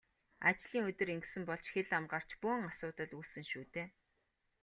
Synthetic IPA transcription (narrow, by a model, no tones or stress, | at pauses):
at͡ɕɮiːŋɵt̪ɵ̆ɾeŋksɘ̆mpɔɮt͡ɕxeɮamɢaːr̥t͡ɕpʊːŋasʊːt̪ə̆ɮuːsɘ̆ŋʃuːt̪eː